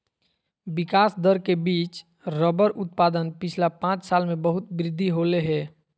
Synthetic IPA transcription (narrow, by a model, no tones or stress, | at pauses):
bɪkaːsd̪əɾkebiːt͡ʃ | ɾəbəɾʔʊt̪̚paːd̪ənpɪt͡ʃʰlapãt͡ʃsaːlmẽbəɦʊt̪bɾɪd̪ʱːiɦoleɦɛː